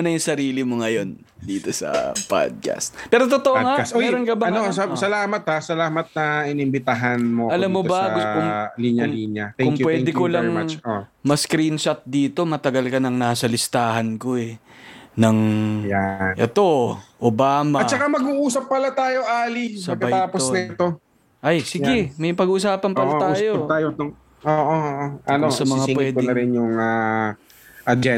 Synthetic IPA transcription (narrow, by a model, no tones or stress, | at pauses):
nɐjʊŋsɐɾiːlɪmoŋɐjo̞n | d̪iːt̪o̞sɐ̰po̰d̪̚ka̰st̪̚pɛːɾot̪ot̪oʔoŋasɛɛɾonkɐbɐɐnnossɐlaːmɐt̪̚hasɐlaːmɐt̪̚nɐʔɪnɪmbɪt̪aɦanmoʔɐlamːobɐkkʊŋliːɲɐliːnjɐt̪kːʊŋmjpwɛːd̪ɛkolɐŋ | mɐskɾinʃɐt̪̚d̪iːt̪o̞mɐt̪ɐɡɐlkɐnɐŋnaːsɐlɪst̪aːɦɐnkoɛ | nɐŋjaʔɛ̰t̪o̞ʔobaːmatt͡ʃːɐkamɐɡuʔuːsɐpːɐlat̪aːjoʔaːlisɐbkɐɐjt̪aːponɐɛt̪o | ʔɐjsɪɡɛmɐjpɐɡuʔʊsaːpɐnpɐlat̪aːjot̪aːjot̪o | oːʔooʔoɐnosɐmɐŋawɛːd̪kɪnɐɾɛnjʊŋa | ʔɐd͡ʒɛ